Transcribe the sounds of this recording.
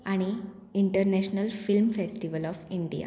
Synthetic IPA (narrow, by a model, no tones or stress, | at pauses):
aɽ̃i | iɳʈəɾneɕnəlfilmfesʈiʋəlɔːfiɳɖija̰